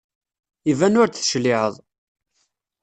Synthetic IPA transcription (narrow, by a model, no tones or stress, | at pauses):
ivænʊɾt͡s̪θəʃlɪʕə̰ðˤ